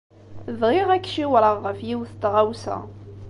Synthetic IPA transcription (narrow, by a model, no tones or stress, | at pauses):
ðʁiʁækːʃiwɾəʁːəfjiwθt̪ʁawsæ̰